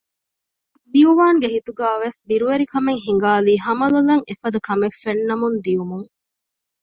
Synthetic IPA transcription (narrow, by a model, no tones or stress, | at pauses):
biuʋaːŋɡehit̪uɡæːʋesbiɾuʋeɾikɐmeŋɦiŋ̆ɡaːliːɦɐmɐlulɐŋefɐd̪ɐkɐmefːenːɐmund̪iumuŋ